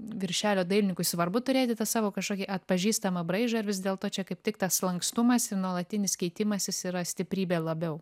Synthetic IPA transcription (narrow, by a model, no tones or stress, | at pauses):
ʋʲɪɾʲʃʲæːlʲoːd̪ɐɪlʲnʲɪŋkʊɪsʋɐrbʊt̪ʊɾʲeːt̪ʲɪt̪ɐsɑːʋoːkɐʃkoːkʲiʔɐt̪̚pɐʒʲiːst̪ɐmɐbɾɐɪʒɐɪɾʋʲɪzd̪ʲeːlˠt̪oːt͡ʃʲɛkɐɪptʲɪkt̪ɐslˠɐŋkst̪ʊmɐsɪɾnuɔlˠɐt̪ʲɪnʲɪskʲɛɪt̪ʲɪmɐsʲɪsiːɾɐsʲt̪ʲɪpʲɾʲiːbʲeːlˠɐbʲɛʊ